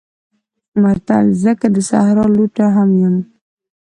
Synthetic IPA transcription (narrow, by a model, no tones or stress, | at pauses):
mat̪a̰lzəkad̪əsa̰hɾɑluʈaɦamjɪm